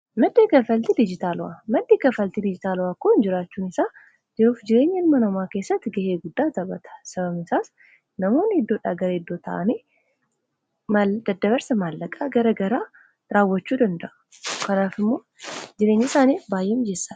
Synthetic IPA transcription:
mɐd̪ːeːkɐfɐlt̪ɪd̪ɪd͡ʒɪt̪aːlʊa̰mɐd̪ːeːkɐfɐlt̪ɪd̪ɪd͡ʒɪt̪aːlʊwaːkoːɪnd͡ʒɪɾaːt͡ʃːuːnɪsaː | d͡ʒɛɾuːfd͡ʒɪɾe̞ːɲːɛlmɐnɐmaːke̞ːsːɐt̪ːɪɡɐheːɡʊd̪ːaːt̪ɐbɐt̪ɐ̥sɐβɐmɪsaːs | nɐmo̞ːnːɪɪd̪ːoːᶑaːɡɐɾɐɪd̪ːoːt̪ɐ̰ʔɐniː | mɐd̪ɐd̪ɐβɐɾsɐmaːlːɐkʼaːɡɐɾɐɡɐɾaː | ɾaːwːɐt͡ʃːuːd̪ɐnd̪ɐʔʊ̥ | kɐnaːfɪmːo̞ːd͡ʒɪɾeːɲːɪsaːniːbaːjːeːmd͡ʒeːsːa

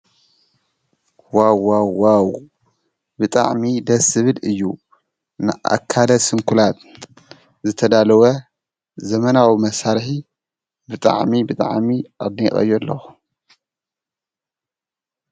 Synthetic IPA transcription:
wawawaw | bɨt̪ʼa̰ʕmid̪ɐsɨβɨd̪ɨjːu | nɨ̰ʔa̰kʰːalɐsɨŋkʰulat̪ | zɨt̪ʰɐd̪alɐwɐ | zɐmɐnawimɐsaɾħi | bɨt̪ʼa̰ʕmibɨt̪ʼa̰ʕmiʔaβnixʼɐ̰jːɔlːɐ̰x

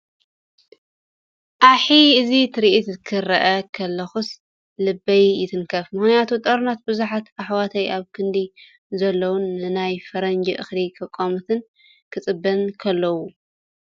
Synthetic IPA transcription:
ʔaħiɨzit̪ʰɨɾiʔit̪zkʰɨɾɐʔɐkʰɐlːɐxus | lɨbːɐjːɪt̪ʰɨnkʰɐfmɨxnjat̪ʰut̪ʼɐɾunat̪̚bɨzuħat̪aħwat̪ʰɐjaβkʰɨnd̪i | zɐlːɐwunːɨnajfɐɾɐnd͡ʒiʔɨxlikʰɐkʼːomɨt̪ʰɨn | kʰɨt͡sʼɨbːɐnkʰɐlːɐwu

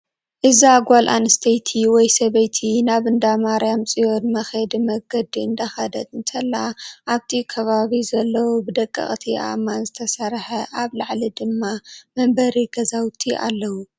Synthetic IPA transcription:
ʔɨzaɡʷalʔa̰nɨst̪ʰɐjt̪ʰiwɔjsɐβɐjt̪ʰinaβɨnd̪amaɾjamt͡sʼijo̞nmɐxed̪mɐɡɐd̪iɨnd̪axɐd̪ɐt̪ʼɨnt̪ʰɐlːaʔaβt̪ʰikʰɐβaβizɐlːɐwobɨd̪ɐkʼːɐ̰χʼt̪ʰiʔa̰manzɨt̪ʰɐsɐɾħɐʔaβlaʕlid̪ɨmːamɐmbɐɾiɡɐzawt̪ʰiʔa̰lːɐwu

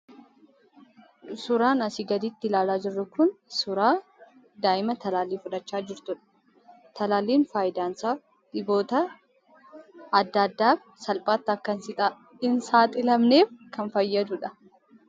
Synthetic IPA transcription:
sʊɾaːnɐsɪɡɐd̪ɪt̪ːɪlaːlaːd͡ʒɪrːʊkʊnsʊɾaː | d̪aːʔɪmɐt̪ɐlaːliːfʊᶑɐt͡ʃːaːd͡ʒɪɾt̪ʊᶑɐ̥ | t̪ɐlaːliːnfaːjɪd̪aːnsaːf | ᶑ̪ɪbo̞ːt̪ɐ | d̪ːɐd̪ːaːf | sɐlpʼaːt̪ːɐkːɐnsɪt̪ʼː | ɪnsaːt̪ʼɪlɐmne̞ːfkɐnfɐjːɐd̪ʊᶑɐ

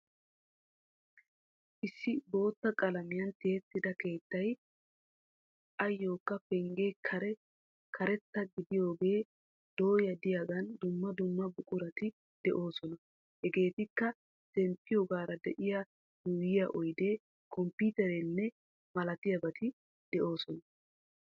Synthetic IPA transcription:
ʔɪsːɪbo̞ːt̪ːɐkʼɐlɐmɪjɐnt̪ɪhɛt̪ːɪd̪ɐke̞ːt̪ːɐj | ʔɐjːo̞ːkːɐpɛŋɡeːkʰɐɾɛ | kʰɐɾɛt̪ːɐɡɪd̪ɪjo̞ːɡe̞ː | d̪̥o̞ːjɐd̪ɪjaɡɐnd̪ʊmːɐd̪ʊmːɐbʊkʼʊɾɐt̪ɪ | d̪̥ɛʔo̞ːsɔnɐ | hɛɡe̞ːt̪ɪkːɐ | sɛmpːɪjoɡaːɾɐd̪ɛʔɪja | d̪uːjɪjɐʔɔjd̪e̞ː | kɔmpiːt̪ɛɾɛnːɛ | mɐlɐt̪ɪjɐbɐt̪ɪ | d̪̥ɛʔo̞ːsɔnɐ

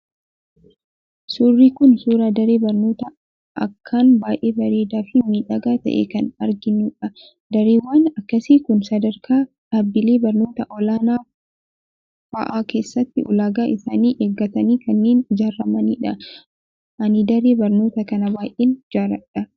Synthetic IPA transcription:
suːrːiːkʊnsuːɾaːd̪ɐɾe̞ːbɐɾno̞ːt̪ɐ | ɐ̰kʰːaːnbaːjʔeːbɐɾe̞ːd̪aːfɪmiːᶑɐɡaːt̪ɐ̰ʔḛːkɐnɐɾɡɪnːuːᶑɐ | d̪ɐɾeːwːaːnɐkːɐsiːkʊnsɐd̪ɐɾkʰaː | ᶑaːbːɪle̞ːbɐɾno̞ːt̪ɐʔɔlaːnaː | fɐ̰ʔaːke̞ːsːɐt̪ːɪʔɔlaːɡaːʔɪsaːniːʔeːɡːɐt̪ɐniːkɐnːeːnd͡ʒaːrːɐmɐnḭːᶑɐ | ʔɐnɪd̪ɐɾe̞ːbɐɾno̞ːt̪ɐkɐnɐbaːjʔeːnd͡ʒaːɾɐᶑɐ

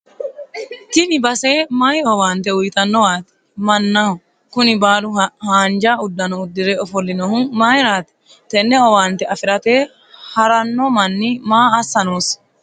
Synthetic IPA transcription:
t̪ɪnɪbɐseːmajɔwaːnt̪ɛʊjt̪ɐnːɔwaːt̪ɛ̥ | mɐnːaʊ | kʊnɪbaːlʊhaːnd͡ʒaːʊd̪ːɐnɔʊd̪ːɪɾɛɔfɔlːɪnɔhʊmajɾaːt̪ɛ̥ | t̪ɛnːɛɔwaːnt̪ɛɐfɪɾɐt̪eː | hɐɾɐnːɔmɐnːɪmaːɐsːɐnoːs

